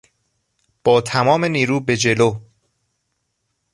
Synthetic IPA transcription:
b̥ɒːt̪ʰæmɒːme̞niːɾuːbe̞d͡ʒe̞loː

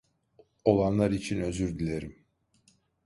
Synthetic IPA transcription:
o̞lˠanlˠaɾit͡ʃʰinø̞zyɾd̪ilʲeɾim

